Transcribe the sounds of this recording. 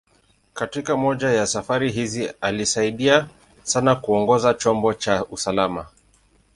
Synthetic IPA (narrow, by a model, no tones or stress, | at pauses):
katikamɔʄajasafaɾiɦizialisaiɗia | sanakuɔŋɡɔzat͡ʃɔmbɔt͡ʃausalama